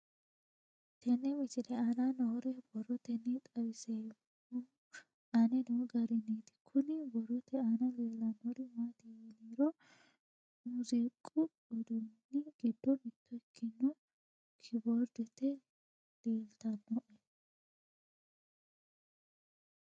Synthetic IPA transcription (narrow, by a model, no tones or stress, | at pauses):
t̪ʰɛnɛmɪt͡ʃɪlɛɐnanɔɾɛbɔɾɔt̪ɛnɪt̪ʼɐwɪseː | ɐnɛnɔɡɐɾɛniːt̪ɪ̥kʰʊnɪbɔɾɔt̪ɛɐnɐleːlɐnːɔɾɛmaːt̪ɪjeliːɾɔ | mʊzɪkʼːʊ | ɔd̪ɔnːɪɡ̥ɪd̪ːɔnɪt̪ʰːɔɛkʰːɪnːɔ | kʰɪbɔɾd̪ɛt̪ɛ | leːlt̪ɐnːɔʔɛ